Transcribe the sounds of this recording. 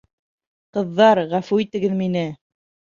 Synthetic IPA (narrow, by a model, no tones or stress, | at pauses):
qɤ̆ðːɑɾʁæfʉit̪ɘ̆ɡɘðminɘ